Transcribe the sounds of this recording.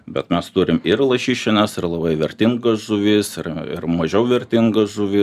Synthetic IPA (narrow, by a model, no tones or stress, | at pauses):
bʲɛt̪mʲɛst̪uɾʲɪmɪrlˠɐʃʲiːʃʲɪnʲɛsɪrlˠɐbɐɪʋʲɛɾʲt̪ʲɪŋɡɐsʒʊʋʲɪsɪrɪ̰rmɐʒʲɛʊʋʲɛɾʲt̪ʲɪŋɡɐsʒʊʋʲɪ